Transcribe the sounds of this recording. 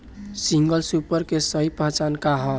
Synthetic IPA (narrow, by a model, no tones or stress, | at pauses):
siŋɡəlsupəɾkesəɦipəɦt͡ʃankaɦɔ̃